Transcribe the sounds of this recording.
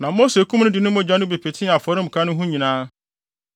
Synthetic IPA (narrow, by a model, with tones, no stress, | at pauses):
nã˨mo˦se˨˦kʰũ˦mnʊ̃˦dɪ˨nʊ̃˦m˦ʊ̃˦d͡ʑᶣã˦nʊ̃˦be˨pʰe˨tʰɪ̃˦˨a˨fɔ˨˦ɾɪ̃˦m̩˨kʰa˦nʊ̃˦ɦũ˦ɲĩ˨nãː˦